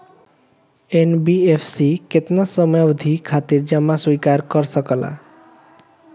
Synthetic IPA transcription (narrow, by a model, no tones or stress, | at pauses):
enbiepʰsiket̪nasɔmjd̪ʱikʰat̪iɾd͡ʒʌmaswikaɾkɔɾsɔkɔla̰